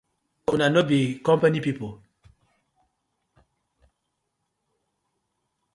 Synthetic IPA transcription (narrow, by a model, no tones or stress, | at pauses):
unanobikɔmpanipipo